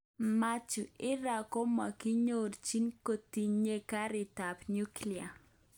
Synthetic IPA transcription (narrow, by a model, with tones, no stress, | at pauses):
ma˦t͡ʃu˨ɪ˦ɾa˨ko˦ma˨kɪ˦ɲo˨ɾt͡ʃi˦nko˨t̪i˨ɲe˦ka˦ɾɪ˨ta˨pɲu˦klia˨